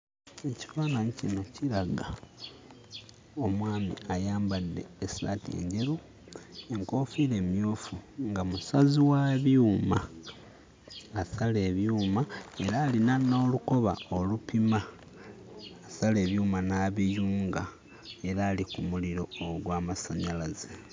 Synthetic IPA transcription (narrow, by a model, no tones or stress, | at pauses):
e̞ci̥faːnanicino̞ciɾaɡa | o̞mwaːmḭajaːmbadːe̞̰ːsa̰ːtie̞̰ɲɟe̞ɾu | e̞ŋko̞ːfiːɾe̞ːmjoːfuŋɡamusaziwaβjuːma | sale̞βjuːmae̞ɾaːlinanːoːluko̞βa̰o̞lupima | sale̞ːβjuːmanaːβijuːŋɡa | e̞ɾaːlikumuliɾo̞oɡwaːmasaɲalaze